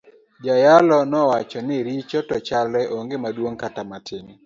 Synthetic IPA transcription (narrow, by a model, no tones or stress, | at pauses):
d͡ʒajalɔnɔwat͡ʃɔnɪɾit͡ʃɔtɔt͡ʃalɛʔoŋɡemadwoŋkatamatʰɪŋ